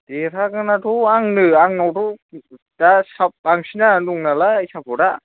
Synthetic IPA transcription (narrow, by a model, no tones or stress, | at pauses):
deɾʰakanatʰuaŋnɯaŋnawtu | dasap̚ːaŋsʰinanuŋnalasʰap̚ʰɔɾa